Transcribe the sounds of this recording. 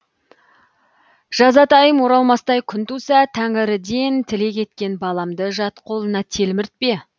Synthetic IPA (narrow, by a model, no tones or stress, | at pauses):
ʒ̥ɑzɑt̪ɑjəmwo̞ɾɑlˠmɑst̪ɑjkʲʰʏnt̪usɑt̪ʰæŋɪɾɪd̪e̞nt̪ʰɪle̞kʲʰe̞t̪kʲe̞nbɑlˠɑmd̪əʒɑt̪qʰo̞lˠənɑt̪ʰe̞lmɪɾt̪̚pe̞